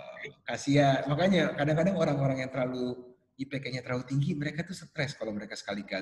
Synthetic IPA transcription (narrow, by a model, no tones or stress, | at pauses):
kasiamakaɲakadaŋkadaŋoɾaŋoɾaŋjaŋt̪əɾlalu | ipekɛɲat̪əɾlaut̪iŋɡiməɾekat̪usət̪ɾɛskalawməɾekasə̥kaliɡa